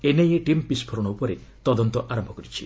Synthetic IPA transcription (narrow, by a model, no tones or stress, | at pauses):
enejeʈimpispʰɔɾɔɽ̃ɔupɔɾet̪ɔd̪ɔnt̪ɔʔaɾɔmbʱɔkɔɾit͡ʃʰi